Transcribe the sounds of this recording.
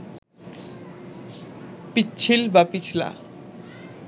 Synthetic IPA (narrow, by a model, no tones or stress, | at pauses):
pitːt͡ɕʰilbapit͡ɕʰla̰